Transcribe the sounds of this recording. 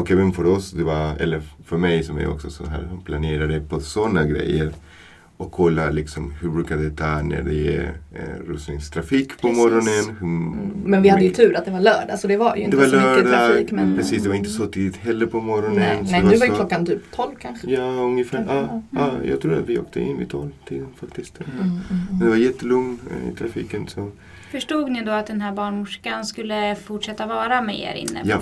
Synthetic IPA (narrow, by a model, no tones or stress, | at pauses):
ɔkɛːvənfœɾɔsd̪ɛvaɛ̰lːəɾfœɾmɛjsɔmæ̰jɔ̰ksɔsɔnɦæ̰ːɾhnpʰlaneːɾad̪ɛpʰɔsɔnːaɡɾɛ̰jːəɾ | ɔkʰːɔlːalɪksɔmhʉɾbɾʉːkad̪ɛt̪ʰɑːnæ̰ɖɛjḛːɾʉsnɪŋst̪ʰɾafiːkːpʰɔmɔɾɔnənhʉmɛnvɪhad̪ːəjɵt̪ʰʉ̟ːɾat̪̚d̪ɛvaɭœːɖa̰sɔd̪ɛvajd̪ɛvalœːɖamɛpʰɾɛsiːsd̪ɛvaɾɪnt̪əsɔt̪ʰiːd̪ɪt̪ɦɛlːəɾpʰɔmɔɾɔnənɛɛvʉːvaɾjəklɔkːant̪ʰyːpt̪ʰɔlvkʰanjɑːɵŋjəfæːɾʔɑːɑːjɑ̰ːɡt̪ʰɾuːa̰t̪vɪo̰ːk̚t̪ʰə̰ɪ̰nvɪ̰t̪ʰɔlt̪ʰiːd̪ənfak̚t̪ɪst̪ː | ɛnd̪ɛvaɾjɛt̪ːəlɵŋn̰ɪ̰t̪ʰɾafḭːkənsɔ | fœʂʈuːɡnɪd̪ɔat̪d̪ɛnɦæːɾbɑːɳmʊʂkanskɵlːəfʊʈʂɛt̪ːavɑːɾamɛḛɾɪ̰nːə̰ja